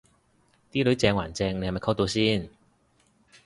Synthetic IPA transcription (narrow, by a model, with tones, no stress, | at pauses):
t̪iː˥lɵ˨˥ɥt͡sɛː˧ŋwa̰ː˨˩nt͡sɛː˧ŋne˧hm˨˩kʰɐ˥wt̪o˧wsiː˥n